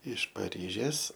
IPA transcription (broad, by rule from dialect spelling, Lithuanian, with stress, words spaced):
ɪʃ pɐˈrʲiːʒʲeːs